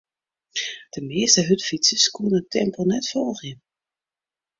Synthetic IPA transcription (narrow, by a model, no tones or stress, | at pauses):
d̥əmeːstəɦøtfitsəskunəətʰɛmponɛtfɔlˠxən